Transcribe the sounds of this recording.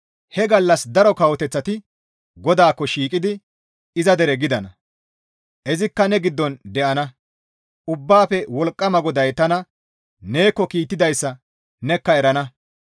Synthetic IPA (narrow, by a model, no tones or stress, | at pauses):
hɛɡɐlːɐsd̪ɐɾɔkɐwɔt̪ɛt͡sːɐt̪ɪ | ɡɔd̪aːkːɔʃiːkʼɪd̪ɪ | ɪzɐd̪ɛɾɛɡɪd̪ɐnɐ | ʔɛzɪkːɐnɛɡɪd̪ːɔnd̪ɛʔɐnɐ | ʊbːaːfɛwɔlkʼːɐmɐɡɔd̪ɐjt̪ːɐnɐ | ne̞ːkːɔkiːt̪ːɪd̪ɐjsːɐ | nɛkːɐɛɾɐnɐ